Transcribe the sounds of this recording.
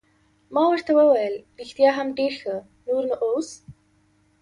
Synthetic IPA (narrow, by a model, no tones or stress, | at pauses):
mɑwəɾt̪awəwajəlɾixt̪jɑɦamɖeɾxə | nuɾnəʔows